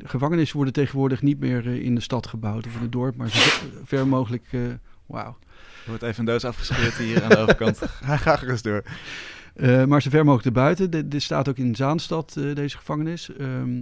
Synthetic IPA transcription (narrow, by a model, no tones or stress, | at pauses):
əχəvɑŋənɪsəʋɔɹdətejχənʋʊːɹdəχnitmɪːɹɪ̰ndəstɑtχəbɑwtɔfɪnət̚dɔɹpmaːɹzoɛvɛɹmowχələk | wa̰w | əʋɔɹtejvəəndowsɑfχə̥spɪːtɦiːɾanəoːəkɑntɦɛjχaːtərəzdʊːɹ | maːɹzovɛɹmowχləkdəɹbœɥtədɪtstaːtowkɪnzaːnstɑtdejzəχəv̥ɑŋənɪsm